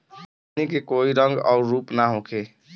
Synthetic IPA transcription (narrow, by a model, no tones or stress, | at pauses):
nikekoiɾʌŋɡa̰ʊɾɾupnaɦõkʰe